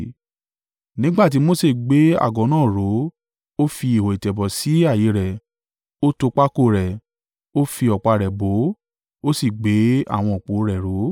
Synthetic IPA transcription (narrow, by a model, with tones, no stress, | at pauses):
nĩ˦ɡ͡ba˦˨t̬i˨˦mo˦se˦˨ɡ͡be˨˦a̰˦˨ɡɔ̃˨˦nãː˦˨ɾo˨˦ | o˦fi˧i˨ho˨i˨tɛ˨bɔ˨si˨˦a˦˨ji˨˦ɾɛ˨ | o˦to˧k͡pa˦ko˦˨ɾɛ˨ | o˦fi˧ɔ˨k͡pa˧˨ɾɛ˨bo˨˦ | o˦si˦˨ɡ͡be˨˦a̰˦˨w̃ɔ̃˧o˨k͡po˨˦ɾɛ˨ɾo˨˦